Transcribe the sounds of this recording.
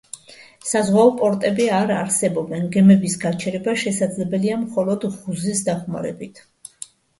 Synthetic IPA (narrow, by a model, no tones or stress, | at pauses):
sazwaɔpʼɔɾt̪ʼɛbiaɾaɾsɛbɔbɛnɡɛmɛbisɡat͡ʃʰɛɾɛbaʃɛsad̪zlɛbɛliamχɔlˠɔd̪ʁuzisd̪aχma̰ɾɛ̰bit̪ʰ